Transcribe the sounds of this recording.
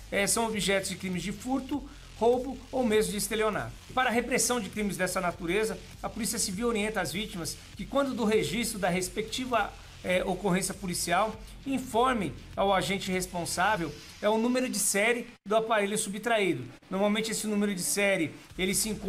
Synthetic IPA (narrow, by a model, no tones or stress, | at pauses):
ɛsɐ̃w̃obiʒɛt̪ʊzd͡ʒɪkɾĩmɪzd͡ʒɪfuɾt̪ʊ | howbʊowmezmʊd͡ʒɪist̪eliona̰ɾpaɾɐɦepɾesɐ̃w̃d͡ʒɪkɾĩmɪzd̪ɛsɐnat̪uɾezɐ | ɐpulisiɐsiviwoɾiẽnt̪ɐazvit͡ʃimɐs | kɪkwɐ̃nd̪ʊd̪ʊɦeʒist̪ɾʊd̪ɐɦespek̚t͡ʃivɐ | ɛʔokoɦẽsijɐpulisiaw | ĩfɔɾmẽj̃ | awaʒẽnt͡ʃɪhespõsavew | ɛʊnũmeɾʊd͡ʒɪsɛɾɪ | d̪ʊapaɾeljʊsubit̪ɾaid̪ʊ | noɾmawmẽnt͡ʃɪesɪnũmeɾʊd͡ʒɪsɛɾɪ | elɪsɪĩẽŋk